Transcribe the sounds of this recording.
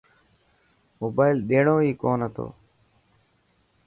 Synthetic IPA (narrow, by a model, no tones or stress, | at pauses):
moːbaːɪlɗ̪eːɳõːiːkoːnɦət̪o̰ː